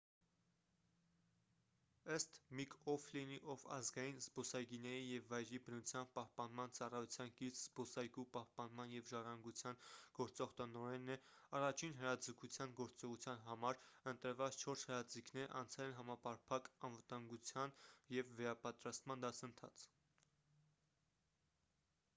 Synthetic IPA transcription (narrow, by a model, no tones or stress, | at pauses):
əst̪mikʰɔfliniʔɔvɑ̰zɡɑjinzbɔsɑjɡinɛɾijɛvːɑjɾibənut͡sʰjɑnpɑhpɑnmɑnt͡sɑrɑjut͡sʰjɑnkit͡sz̥bɔsɑjɡupɑhpɑnmɑnjɛvʒɑrɑŋɡut͡sʰjɑnɡ̥ɔɾt͡sɔʁt̪ənɔɾɛnːɛ | ɑrɑt͡ʃʰinɦəɾɑd͡zəkʰut͡sʰjɑnɡɔɾt͡sɔʁut͡sʰjɑnɦɑmɑɾənt̪əɾvɑt͡st͡ʃʰɔɾshəɾɑd͡zikʰnɛɾʔɑnt͡sʰɛlɛnɦɑmɑpɑɾpʰɑkɑnvət̪ɑŋɡut͡sʰjɑnjɛvːɛɾɑpɑt̪ɾɑst̪mɑnd̪ɑsənt̪ʰɑ̰t͡sʰ